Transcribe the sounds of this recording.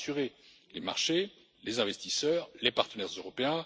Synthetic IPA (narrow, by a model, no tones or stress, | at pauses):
syʁe | lema̰ʁʃe | lezɛ̃vɛst̪isœːʁlepaʁt̪ənɛʁzøʁɔpeɛ̃